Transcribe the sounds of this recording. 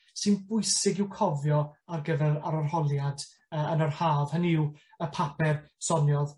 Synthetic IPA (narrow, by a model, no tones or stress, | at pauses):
sɨnbʊɨsɪɡɪwkʰɔvjɔarɡəvɛɾaɾɔrhɔlˠjad | əənərhaːvhənɪw | əpʰapʰɛrsɔnjɔð